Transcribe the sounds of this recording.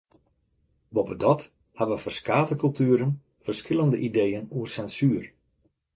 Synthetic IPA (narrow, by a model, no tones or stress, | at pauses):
bovədɔt | habəʋəfərskaːtəkɵlˠtyəɾən | fərskɪlˠəndəʔidejənuərsɛnsyːər